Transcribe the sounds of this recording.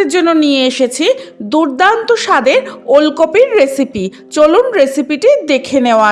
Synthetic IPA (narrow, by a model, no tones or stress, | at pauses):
eɾd͡ʑonːonijeeʃet͡ɕʰid̪uɾd̪ant̪oʃad̪eɾolkopiɾːesipi | t͡ɕolunɾesipiʈid̪ekʰeneoa